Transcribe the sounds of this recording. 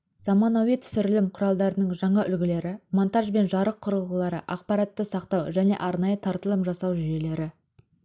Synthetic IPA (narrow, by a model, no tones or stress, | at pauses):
z̥ɑmɑnowit̪ʰʏ̥sʏɾɪlɪmqʰʊɾɑlˠd̪ɑɾənəɴʒɑɴɑʔʏlɡʲɪle̞ɾɪmont̪ɑʒbe̞nʒɑɾəqʰːʊɾəlˠʁəlˠɑɾə̰ʔɑq̚pɑɾɑt̪ːəsɑqt̪ɑwʒæne̞̰ʔɑɾnɑjət̪ʰɑɾt̪əlˠəmpʒɑsɑwʒʏje̞le̞ɾɪ